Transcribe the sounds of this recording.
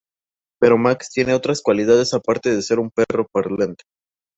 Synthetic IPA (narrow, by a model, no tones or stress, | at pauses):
pe̞ɾo̞makst̪je̞ne̞o̞t̪ɾaskwalið̞að̞e̞sapaɾt̪e̞ð̞e̞se̞ɾumpero̞peɾðlent̪e̥